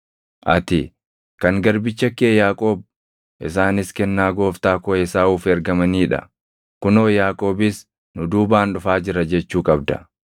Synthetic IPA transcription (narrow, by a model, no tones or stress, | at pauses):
ʔɐ̰t̪ɪ | kɐŋɡɐɾbɪt͡ʃːɐkːeːjaːkʼo̞ːb̚ | ʔɪs̬aːnɪskɛnːaːɡo̞ːft̪aːkoɛsaːuːfɛɾɡɐmɐniːᶑɐ̰ | kʊnoːjaːkʼo̞ːbɪs | nʊd̪uːbaːnᶑʊfaːd͡ʒɪɾɐd͡ʒɛt͡ʃːuːkʼɐb̚d̪ɐ̰